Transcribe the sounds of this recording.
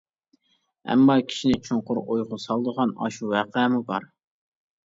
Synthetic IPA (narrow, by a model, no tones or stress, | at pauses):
ɛ̰mːɑkʲʰi̥ʃinɪt͡ʃʰoɴqʊɾojʁʊsɑlˠd̪əʁɑnɑ̰ʃuwæqɛmubɑ̰ɾ